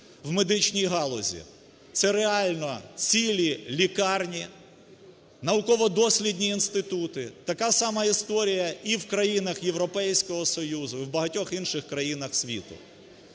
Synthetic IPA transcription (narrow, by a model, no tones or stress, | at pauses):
wmed̪ɪt͡ʃnʲijɦɑlˠɔzʲḭ | t̪sɛɾeɑlʲnɔt͡sʲilʲilʲikɑrnʲi | nɐʊkɔʋɔd̪ɔsʲlʲid̪ʲnʲiːnst̪ɪt̪ut̪ɪt̪ɐkɑsɑmɑist̪ɔɾʲijɐiwkɾɐjinɐxjewɾɔpɛjsʲkɔɦɔsɔjuzʊiwbɐɦɐtʲɔxinʃɪxkɾɐjinɐxsʲʋʲḭt̪ʊ̰